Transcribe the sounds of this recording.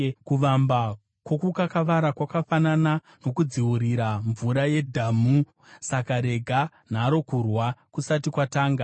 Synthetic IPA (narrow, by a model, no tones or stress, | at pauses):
kuʋamba | kwo̞kukakaʋaɾakwakafanana | no̞kud͡ziwuɾiɾaɱvuɾaje̞dʱamu | sakaɾe̞ɡʱa | n̤aːɾo̞kurwakusatikwataːŋɡa